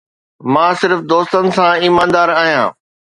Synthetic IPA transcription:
mãːsɪɾfd̪oːst̪ənɪ̆sãiːmãːnd̪aːɾaːɦijã̰ː

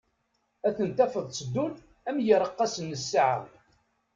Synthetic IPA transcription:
æθənt̪æfəðˤsˤəd̪ːul | æmjəɾˤəqːɑsənːəsːaʕə̰

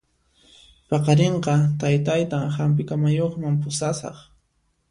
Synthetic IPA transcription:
pɑqɑɾeɴqɑt̪ajt̪ajt̪aŋhamp̬ɪkamajoχmampʊsasɑ̰χ

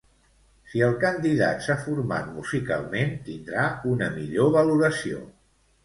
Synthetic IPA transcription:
siəlˠkənd̪iða̰t̪safuɾma̰t̪̚muzika̰lˠment̪ind̪ɾaunəmiʎoβəluɾəsio̰

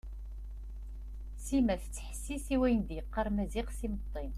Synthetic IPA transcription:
simæθət͡sːə̥ħə̥sːisiwæjnd̪jəqːɑɾˤmæziqsimət̪ˤːin

